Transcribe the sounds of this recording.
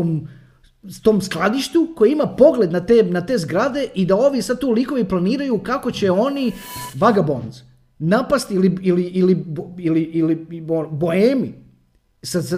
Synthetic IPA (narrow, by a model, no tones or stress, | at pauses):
om | t̪o̞ːmsklˠad̪iʃt̪ukojeimapo̞ɡlˠe̞d̪nat̪enat̪e̞ːzɡɾad̪e̞ʔid̪ao̞ːʋisad̪̚t̪uːliko̞ʋiplˠaniːɾajukako̞t͡ɕe̞o̞niʋaɡabo̰nz | napast̪iliiliʔilibiliʔilioboemi | sas